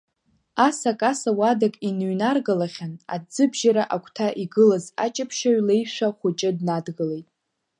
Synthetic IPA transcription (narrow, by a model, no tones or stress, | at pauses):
asakʼasawadakʼinɥnarɡalaχʲana̰dd͡zɨbʒaɾaʔakʷʰtʰaʔiɡɨlaza̰t͡ʃʼapʰʃaɥle̞jʂʷᶣaχʷʊt͡ʃʼɪdnadɡalejtʼ